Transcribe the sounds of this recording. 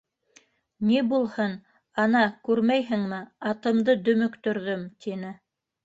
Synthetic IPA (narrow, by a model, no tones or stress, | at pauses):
nibulˠhɤn | ɑnɑkʉɾmæjɦɘ̆ŋmɘɑt̪ɤ̆md̪ɤd̪ɵ̆mɵ̆kt̪ɵ̆ɾðɵmt̪inɘ